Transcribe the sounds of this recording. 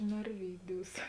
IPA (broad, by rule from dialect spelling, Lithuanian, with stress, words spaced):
nɐrʲˈʋʲiːˌdʲuːs